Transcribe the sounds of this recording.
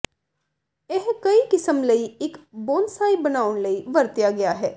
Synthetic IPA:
eɦkɐikɪsəmlɐiɪkboːnsaːibɐnaːʊnlɐiʋɐɾt̪ijaɡɐjaɦɛː

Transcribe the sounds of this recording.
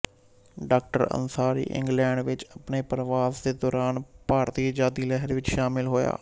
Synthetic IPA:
ɖaːk̚ʈəɾə̰nsaːɾḭːʔɪ̰̃ŋɡlɛ̃ːɳɖʋɪt͡ʃəpneːpəɾʋaːsd̪eːd̪ɔːɾaːnpaːɾt̪iːd͡ʒaːd̪iːlɛɦəɾʋɪt͡ʃʃaːmɪlɦoːja̰ː

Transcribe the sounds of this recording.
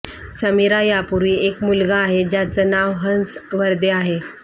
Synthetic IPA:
səmiɾajapuɾiːekmulɡaːɦed͡ʑjat͡sənaʋɦənsʋəɾd̪eaɦe

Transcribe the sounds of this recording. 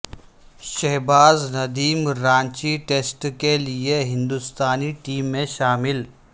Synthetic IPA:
ʃɛɦbaːznɐd̪iːmɾãːɲt͡ʃiʈeːsʈkelieɦɪ̃nd̪ʊst̪aːniʈiːmːẽʃaːmɪl

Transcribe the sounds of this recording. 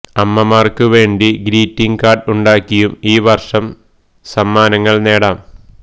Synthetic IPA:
ɐmːɐmaːrkɨʋe̞ːɳɖiɡɾiːtːiŋkaːɖuɳɖaːkːijumiːʋɐrʂɐm | sɐmːaːnɐŋːɐɭne̞ːɽaːm

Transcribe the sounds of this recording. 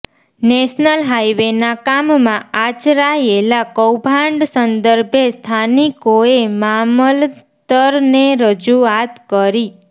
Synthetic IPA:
nɛʃnəlɦajʋenakammãat͡ʃɾaelakəwbʱãɳɖsənd̪əɾbʱjest̪ʰanikoemaməl | t̪əɾneɾəd͡ʒuat̪kəɾi

